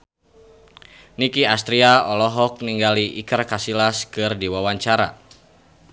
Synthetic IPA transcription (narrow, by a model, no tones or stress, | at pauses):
nikiast̪ɾiaɔlɔɦɔk̚niŋɡaliʔikərkasilaskɨrdiwawaɲt͡ʃaɾa̰